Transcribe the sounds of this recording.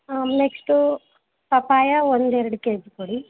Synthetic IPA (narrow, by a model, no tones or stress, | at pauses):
neksʈu | pɐpaːjɐond̪ɛɾɐɽukeːd͡ʒkoɽi